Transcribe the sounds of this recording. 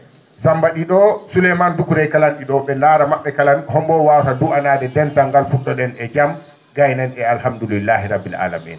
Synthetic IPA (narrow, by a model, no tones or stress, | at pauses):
sambaɗiɗɔsulɛmandukuɾɛjkalanɗiɗɔɓɛnaɾamaɓːɛkalanhɔmbɔwawtaduanaːdɛdɛntaŋɡalfuɗɔɗɛnɛd͡ʒam | ɡajnɛnɛalhamdulilːahiɾabːila̰la̰mḭn